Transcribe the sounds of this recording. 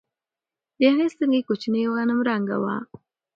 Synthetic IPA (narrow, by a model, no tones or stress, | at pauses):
denesiŋɡikot͡ʃineɣanamuɾaŋɡa̰wa̰